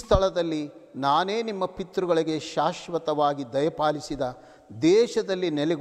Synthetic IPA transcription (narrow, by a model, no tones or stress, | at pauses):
st̪ʰɐɭɐd̪ɐlːinaːne̞ːnimːɐpit̪ɾuɡɐɭiɡe̞ʃaːʃʋɐt̪ɐʋaːɡid̪ɐjɐpaːlisid̪ɐ | d̪ɛːʃɐd̪ɐlːinɛleɡ